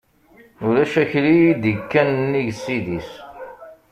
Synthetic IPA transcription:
ʊɾæʃæçlijid̪ikːænnːiʝsiðis

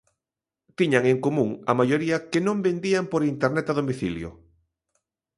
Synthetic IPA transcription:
t̪iɲaŋeŋkomũŋɐ̰majoɾiɐkenõmbend̪iampoɾint̪eɾnɛt̪aðomiθḭljʊ̰

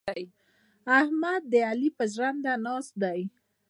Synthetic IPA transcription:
j | ahmad̪̚ːəalipəʒɽand̪anɑsd̪aj

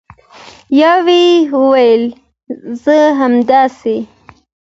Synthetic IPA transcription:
jɑwiwəwajəl | zəɦamd̪ɑse

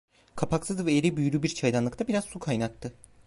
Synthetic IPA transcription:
kʰapʰaksɯzvɛeɾibyjyɾʲybiɾt͡ʃʰajd̪anˠɯkt̪ʰabiɾazsukʰajnak̚t̪ʰɯ

